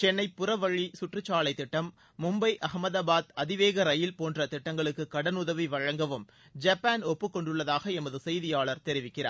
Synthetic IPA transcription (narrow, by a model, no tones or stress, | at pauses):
t͡ʃɛnːɐɪpːʊrɐʋɐɻisʊʈrɯt͡ʃːaːɭɐɪt̪ːɪʈːɐmː | ʊmbɐɪʔɐɣɐmɐðaːbaːðɐðɪʋeːɣɐɾɐjɪlpoːndrɐt̪ɪʈːɐŋɡɐɭɯkːɯkɐɽɐnʊðɐʋiʋɐɻɐŋɡɐʋɯm | d͡ʒɐpːaːnɔpːɯkːɔɳɖɯɭːɐðaːɣɐɛmɐðɯsɛjðɪjaːɭɐɾt̪ɛɾɪʋɪkːɪra̰ː